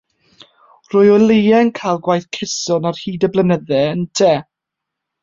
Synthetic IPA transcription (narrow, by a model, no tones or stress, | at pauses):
r̥ʊjɔlejɛnkʰajlˠɡwajθkʰɪsɔnarhiːdəblˠənəðɛəntʰɛː